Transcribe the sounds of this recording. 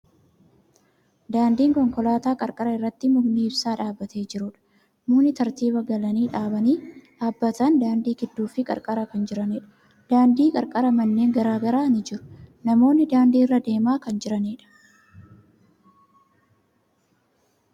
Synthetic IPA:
d̪aːnd̪iːŋkɔŋkɔlaːt̪aːkʼɐɾkʼɐɾɐɪrːɐt̪ːɪmʊɡniːɪbsaːᶑaːbːɐt̪e̞ːd͡ʒɪɾʊᶑɐ̥ | muːnːɪt̪ɐɾt̪iːbɐɡɐlɐniːᶑaːbɐniːᶑaːbːɐt̪ɐnd̪aːnd̪iːɡɪd̪ːuːfɪkʼɐ̰ɾkʼɐɾɐkɐnd͡ʒɪɾɐnɛᶑɐ̥ | d̪̥aːnd̪iːkʼɐɾkʼɐɾɐmɐnːe̞ːŋɡɐɾaːɡɐɾaːnɪd͡ʒɪɾʊ̥nɐmo̞ːnːɪd̪aːnd̪iːrːɐd̪e̞ːmaːkɐnd͡ʒɪɾɐneːᶑɐ̥

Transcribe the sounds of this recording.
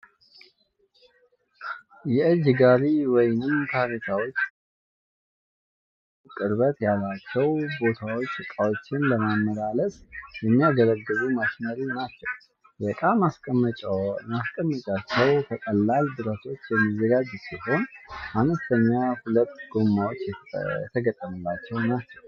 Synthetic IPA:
jɛɨd͡ʒɡaɾiwɔjnɨmt̪ʰaɾitʰawo̞t͡ʃː | kʼɨɾbət̪jalːat͡ʃːɛwbo̞t̪ʰawo̞t͡ʃːɨkʼawo̞t͡ʃːɪnləmamːəlaləsjɛmːijaɡələɡːɨzumaʃnəɾinat͡ʃːɛw | jɛkʼamasʼ | maskʼəmːət͡ʃʼat͡ʃːɛwt̪ʰəkʼəlːald̪ɨɾət̪ʰo̞t͡ʃːjɛmːizəɡad͡ʒsiɦo̞nʔanəst̪ʰəɲːahulət̪ːɡ̥o̞mːawo̞t͡ʃːjɛɛt̪ʰəɡət̪ʼːəmɨlːat͡ʃːɛwnat͡ʃːɛw

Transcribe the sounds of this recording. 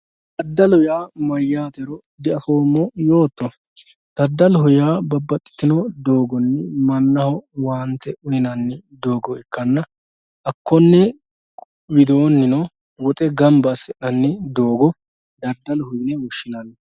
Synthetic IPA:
d̪ɐd̪ːɐlʊjaːmɐjːaːt̪ɛɾɔ | d̪ɛʔɐfoːmːɔjo̞ːt̪ːɔ | d̪̥ɐɾd̪ːɐlɦʊjaːbɐbːɐt̪ʼːɪ̥t̪ːɪnɔd̪o̞ːɡɔnːɛmɐnːɐhɔwaːnt̪ːɛʔʊjɪnɐnːɛd̪o̞ːɡɔɛkːɐnːɐ | ʔɐkːɔnːɛ | wɪd̪oːnːɪnɔ | wɔt̪ʼɛɡɐmbɐsɛʔɐnːɛd̪o̞ːɡɔ | d̪ɐɾd̪ːɐlhʊjnɛwɔʃːɪnɐnːɛ

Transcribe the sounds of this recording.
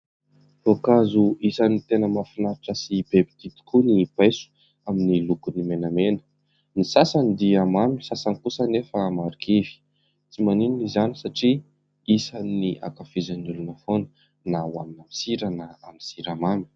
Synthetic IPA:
lokazuisanit̪enəmafinaɾaʈ͡ʂəsibebid̪it̪i̥kunibajsu̥ | aminilukunimenamenə̥ | nisasand̪iamamu̥sasanikusənefəːmaɾukʰivi̥ | t͡simanininizanisaʈ͡ʂi | isaniʔa̰kafizanulunəfonə̥ | nawaminamisiɾanəamisiɾamamu̥

